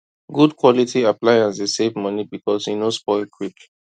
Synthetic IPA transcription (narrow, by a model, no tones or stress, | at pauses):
ɡudkʰwɔlitʰiaplaɪãnsdesevmʌnibikɔshinospɔɪlkʰwikl